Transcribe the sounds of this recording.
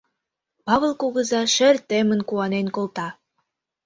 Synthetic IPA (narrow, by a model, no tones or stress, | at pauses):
pɑβəlˠkoɣə̆zɑʃĕrt̪emə̆nkuɑnenkolˠt̪ɑ